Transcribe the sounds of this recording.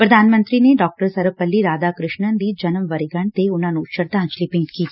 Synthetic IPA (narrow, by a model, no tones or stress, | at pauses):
pɾɐd̪ʱaːnmə̃nt̪ɾineɖɔːk̚ʈəɾsɐɾpɐlːiɾaːd̪aːkɾɪʃɳənd̪id͡ʒɐnəmʋɐɾiɡɐɳt̪eʊn̤ɦãːnũʃəɾt̪aə̃t͡ʃlipĩːʈkiː